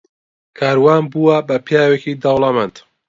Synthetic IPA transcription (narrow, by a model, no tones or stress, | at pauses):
kʰaːɾwaːnbuwɐbɐpʰijaːwekid̪ɑwlɑmant̪